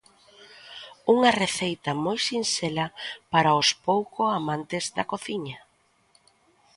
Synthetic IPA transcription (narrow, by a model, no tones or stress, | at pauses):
uŋɐreθejt̪ɐmojsinselɐpaɾaʊspowkʊamãnt̪ɪzðɐkoθiɲɐ